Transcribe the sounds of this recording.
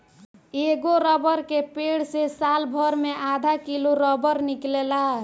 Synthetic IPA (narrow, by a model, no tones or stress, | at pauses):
eɡoɾəbəɾkepeɽsesalbʱəɾmeʔad̪ʱakiluɾɔbəɾniklela